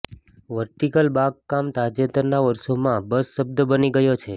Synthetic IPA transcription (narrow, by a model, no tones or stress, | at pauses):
ʋəɾʈ̪ikəlbaɡ̚kamt̪ad͡ʒet̪əɾnaʋəɾʃomãbəsːəb̚d̪bəniɡəjot͡ʃʰe